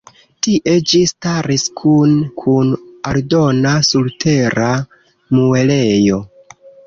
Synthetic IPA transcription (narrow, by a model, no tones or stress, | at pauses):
tiʔe̞d͡ʒistaɾiskʰunkʰunaldo̞nasultʰe̞ɾa | mue̞le̞jo̞